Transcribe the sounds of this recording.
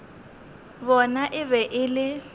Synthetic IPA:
bɔnaʔɪβɛʔɪlɪ

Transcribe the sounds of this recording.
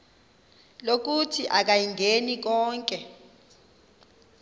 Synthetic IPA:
lok̬utʰiʔak̬ajiŋɡʱenik̬ɔːŋkʼɛ

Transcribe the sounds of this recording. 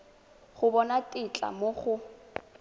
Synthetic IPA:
χʊbɔnatʼɪt͡ɬʼa̰moχʊ

